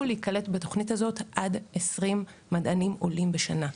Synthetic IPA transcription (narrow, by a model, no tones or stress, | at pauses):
uleikale̞tbeto̞χnithazo̞tʔadesʁimː | adanimʔo̞limbeʃana